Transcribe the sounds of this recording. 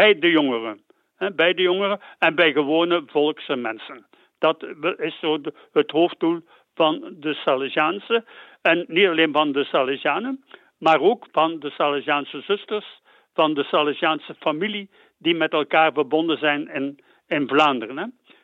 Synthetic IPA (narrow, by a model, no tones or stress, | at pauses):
bɛjdəjɔŋərən | ɦɛbɛjdəjɔŋərəɛnbɛjɣəʋoːnəvɔlˠksəmɛnsən | d̥ɑtɪsoː | ɦətɦoːf̚dulˠ | vɑndəsalazaːnsəɛnːitɑleːnvɑndəsalizaːnə | maːroːkvɑndəsaːlazaːnsəzɵstərs | v̥ɑndəsalazaːnsəfamili | dimɛtɛlˠkaːrvərbɔndənzɛjnɪn | ɪnvlaːndərənɦɛ